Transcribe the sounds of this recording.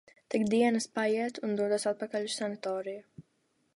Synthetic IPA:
t̪ikd̪iɛnɐspajiɛt̪und̪uɔd̪uɔsat̪̚pakaʎusanat̪ɔːɾiju

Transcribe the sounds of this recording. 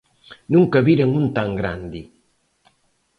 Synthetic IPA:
nuŋkɐβiɾeŋunt̪aŋɡɾand̪i

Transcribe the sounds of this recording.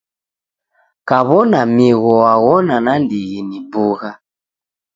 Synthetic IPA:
kaβɔnamiɣɔaɣɔnanandiɣinibuɣa

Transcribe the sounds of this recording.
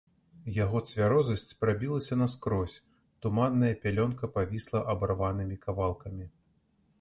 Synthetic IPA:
jaɣɔt̪sʲvʲaɾɔzɐsʲt͡sʲpɾabʲilˠɐsʲɐnɐskɾɔsʲ | t̪umanːɐjɐpʲalʲɔnkɐpavʲislˠɐʔɐbarvanɨmʲikavalˠkɐmʲi

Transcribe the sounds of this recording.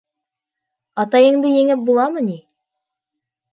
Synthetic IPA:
ɑt̪ɑjɤ̆ɴd̪ɤjɘ̆ŋɘp̚bulˠɑmɤni

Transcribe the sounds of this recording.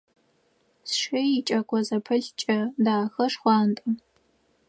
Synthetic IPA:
sʂɐit͡ʃʼɐkʷʼɔzɐpʰɐɬt͡ʃʼɐdaːxɐʂχʷɑːntʼɨ

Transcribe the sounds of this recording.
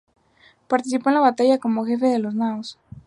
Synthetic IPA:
paɾt̪isipoẽlaβat̪aʝakomoxefeðeloznaos

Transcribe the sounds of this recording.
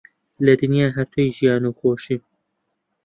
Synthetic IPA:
lɛd̪ɨnijaːɦɛɾt̪ʰuiʒijɑːnuːxoːʃi

